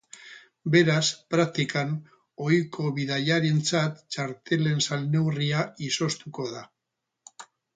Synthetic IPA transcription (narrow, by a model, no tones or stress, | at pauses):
be̞ɾaspɾak̚t̪ikan | o̞jko̞βiðaʎaɾe̞nt͡sat̪t͡ʃaɾt̪e̞le̞nsalne̞wriaiso̞st̪uko̞ða